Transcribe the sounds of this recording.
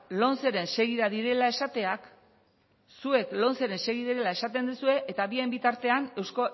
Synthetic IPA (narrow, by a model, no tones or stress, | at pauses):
lo̞nt͡se̞ɾe̞nse̞ɣiðaðiɾe̞lae̞sat̪e̞ak | sue̞klo̞nt͡se̞ɾe̞nse̞ɣiðeɾelae̞sat̪e̞nd̪usue̞ʔet̪aβiembit̪aɾt̪e̞ane̞wsko